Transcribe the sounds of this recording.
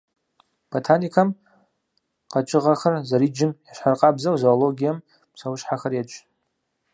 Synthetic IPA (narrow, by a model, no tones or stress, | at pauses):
b̥ʰotʰanikʰam | qʼat͡ʃʼɨʁaχarzaɾid͡ʒɪmjaʃʷħarqʼabzawzoːlo̞ɡʲijam | sawʃħaχarjat͡ʃʷʼ